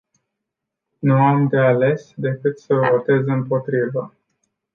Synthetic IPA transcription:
nuamd̪e̞ale̞sd̪e̞kɨt̪səvo̞t̪e̞zɨmpo̞t̪ɾivə

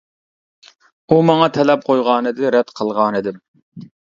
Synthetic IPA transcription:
umɑŋɑt̪ʰɛlɛp̚qʰojʁɑːnɨd̪ɪɾɛd̪qʰəlˠʁɑːnɨd̪ɪm

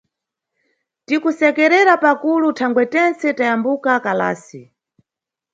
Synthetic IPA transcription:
tikusɛkɛɾɛɾapakulutʰaŋɡwɛtɛnt͡sɛtajambukakala̰ːsi

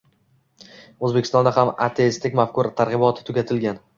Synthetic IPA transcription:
ɵzbekʲɪ̥st̪ɒ̃nd̪ahama̰t̪ʰe̞ɪst̪ɪkʲmafkʰʊɾt̪ʰaɾʁɨbɒt̪ʰɪ̥t̪ʰʊɡʲat̪ʰɪlɡʲan

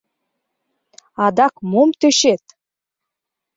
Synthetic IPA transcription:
ɑd̪ɑkmomt̪øʃet̪

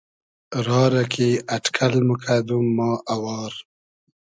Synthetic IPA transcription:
ɾɑːɾakʰeaʈkʰalmʊkʰad̪umːɑːʔawɑːɾ

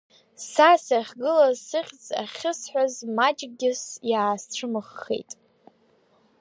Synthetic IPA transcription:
sasaχʲɡɨlazsɨχʲt͡sʼa̰χʲɨsħᶣʷazmat͡ʃʼɡʲɪsjaːsʈ͡ʂʰɨmɨχːḛjtʼ

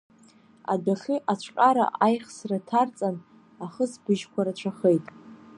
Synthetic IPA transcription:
a̰daχʲiʔat͡ɕʷʰqʲʼaɾa̰ʔajχsratʰart͡sʼan | aχəsbɨʒkʷʰaɾat͡ɕʷʰaχejtʼ

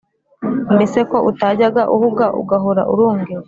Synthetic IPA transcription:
nbese̞ko̞ʔutaɟaɡaʔuhuɡaʔṵɡaɦoɾa̰ʔṵɾuːŋɡewe

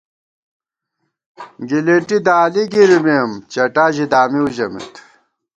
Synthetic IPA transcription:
ɡileʈid̪aːliɡiɾimiɐmt͡ɕɐʈaːʑid̪aːmiuʑɐmḭt̪

